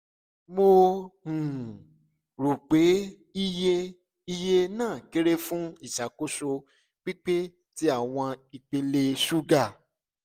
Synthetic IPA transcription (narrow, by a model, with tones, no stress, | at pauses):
mo˧hũ˨ | ɾo˨k͡pe˨˦ | i˦je˦ | i˦˧je˦nãː˦˨ke˦ɾe˦fũ˦i˦˨ʃa˨ko˦so˧ | k͡pi˦k͡pe˦ | ti˦a˦˨w̃ɔ̃˧i˨k͡pe˧le˧su˦ɡa˦˨